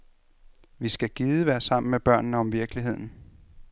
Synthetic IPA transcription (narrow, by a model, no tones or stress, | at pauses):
ʋisɡ̥æɡ̥iːðˠəʋæɐsɑ̈m̰n̩meb̥ɶɐ̰nnəɒ̽mʋiɐɡ̥liɦe̝ð̞̰ˠn̩